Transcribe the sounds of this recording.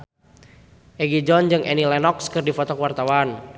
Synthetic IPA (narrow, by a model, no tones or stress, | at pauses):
ʔɛɡid͡ʒɔnd͡ʒɨŋʔɛnilɛnɔkskɨrdifɔt̪ɔkuwart̪awan